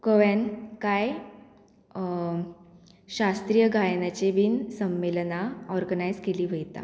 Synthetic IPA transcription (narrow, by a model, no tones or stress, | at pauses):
kəʋjankaj | ɕast̪ɾiːjəɡʱajnat͡ɕeʋiːnsəmːelnaɔɾɡənajd͡zkeliːʋʱəjt̪a̰